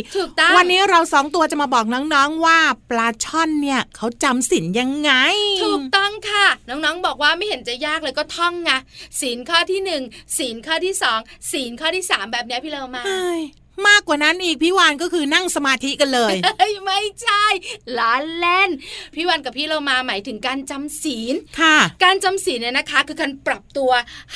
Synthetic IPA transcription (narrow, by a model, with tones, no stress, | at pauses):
t̪ʰuː˨˩kt̪ɔ˥˩wa˧nːiː˦˥ɾa˧wsɔː˩˦ŋt̪u˧ɐt͡ɕa˨˩maː˧bɔː˨˩k̚nɔː˦˥ŋnɔː˦˥ŋwaː˥˩plaː˧t͡ɕʰɔ˥˩nːi˥˩ɐkʰa˦˥wt͡ɕa˧msi˩˦nja˧ŋːa˧jt̪ʰuː˨˩k̚t̪ɔ˥˩ŋkʰa˥˩nɔː˦˥ŋnɔː˦˥ŋbɔː˨˩k̚waː˥˩ma˥˩jhe˩˦nt͡ɕa˨˩jaː˥˩k̚lɤː˧jkɔː˥˩t̪ʰɔ˥˩ŋka˦˧˥siː˩˦nkʰɔː˥˩t̪ʰiː˥˩nɯ˨˩ŋsiː˩˦nkʰɔː˥˩t̪ʰiː˥˩sɔː˩˦ŋsiː˩˦nkʰɔː˥˩t̪ʰiː˥˩saː˩˦mbɛː˨˩p̚ni˦˥ɐpʰiː˥˩loː˧wmaː˧a˧˥˩j | maː˥˩kwaː˨˩na˦˥nʔiː˨˩k̚pʰiː˥˩waː˧nkɔː˥˩kʰɯː˧na˥˩ŋsa˧maː˧t̪ʰi˦˥ka˧nlɤː˧jjma˥˩jt͡ɕʰa˥˩jlaː˨˦˥nlɛ˥˩npʰiː˥˩waː˧nka˨˩pʰːiː˥˩loː˧wmaː˧maː˩˦jt̪ʰɯ˩˦ŋkaː˧nt͡ɕa˧msiː˩˦nkʰa˥˩kaː˧nt͡ɕa˧msiː˨˩˦nːi˥˩na˦˥kʰa˦˥kʰɯː˧kʰa˧npɾa˨˩p̚t̪u˧ɐ